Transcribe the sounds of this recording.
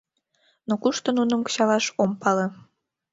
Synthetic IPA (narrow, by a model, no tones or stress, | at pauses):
nokuʃt̪ŏnunə̆mkə̥ɕɑlɑʃompɑle